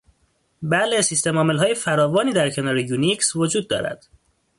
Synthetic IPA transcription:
bælesist̪e̞mɒːmelɦɒːje̞fæɾɒːvɒːniːd̪æɾcʰe̞nɒːɾejuniksvo̞d͡ʒuːd̪̚ːɒ̰ːɾæ̰d̪̥

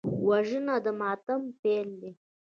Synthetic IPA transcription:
waʒənad̪əmɑt̪ampeld̪e

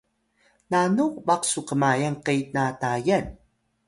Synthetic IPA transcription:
nanuvaqsuqəmajanqejnatajan

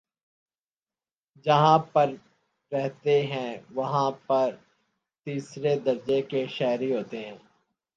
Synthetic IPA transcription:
d͡ʒɐɦãpɐɾ | ɾɛɦt̪eɦɛ̃ːʋɐɦãpɐɾ | t̪iːsɾed̪ɐɾd͡ʒekeʃɛːɾiɦoːt̪eɦɛ̃ː

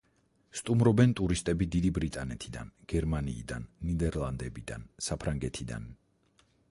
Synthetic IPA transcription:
st̪ʼumɾɔbɛnt̪ʼuɾist̪ʼɛbid̪id̪ibɾit̪ʼanɛt̪ʰid̪a̰nɡ̥ɛɾmanḭːd̪anːid̪ɛɾlˠand̪ɛbid̪a̰nsapʰɾaŋɡɛt̪ʰid̪a̰n

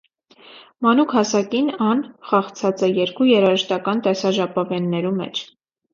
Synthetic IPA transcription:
mɑnukʰhɑsɑkinɑnχɑχt͡sʰɑt͡sɛjɛɾkujɛɾɑʒəʃt̪ɑkɑnt̪ɛsɑʒɑpɑvɛnːɛɾumɛ̰t͡ʃʰ

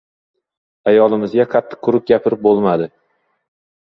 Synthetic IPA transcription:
ajɒlˠɪmɪzɡʲaqʰɑt̪ʰːɪ̥qʰːʊɾʊp̚ɡʲapʰɪɾɪp̚bolˠmad̪ɪ

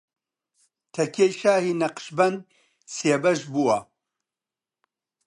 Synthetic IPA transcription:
t̪ʰɐkʰʲejʃaːhiːnɐqʃbɐnd̪̚ | sebɐʒbuɐ

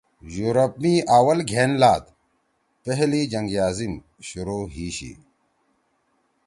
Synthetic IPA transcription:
juːɾɐpmiaːwɐlɡʱeːnlaːd̪ | peɦlid͡ʑɐŋɡjaːzim | ɕuɾoːɦiːɕḭ

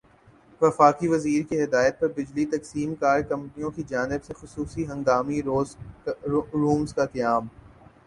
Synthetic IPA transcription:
ʋɐfaːkiʋɐziːɾkiɦɪd̪aːjət̪̚pɐɾbɪd͡ʒlit̪ɐksiːmkaːɾkɐ̃mpnijõkid͡ʒaːnɪbsexʊsuːsiɦɐ̃ŋɡaːmiɾoːz | ɾuːmzkakɐjaːm

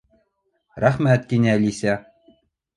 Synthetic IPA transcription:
ræχmʲæt̪̚kʲinʲælʲisʲæ

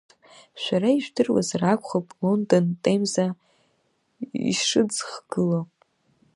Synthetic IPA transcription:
ʃʷᶣaɾaiʒᶣʷdɨrwa̰zrakʷχapʼlo̞ndo̞ntʼejmza | ḭʂɨd͡zχɡ̥ɨlopʼ

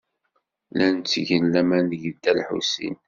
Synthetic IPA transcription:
lænt͡sːʝənlæmænəʝəd̪ælħṵsḭn

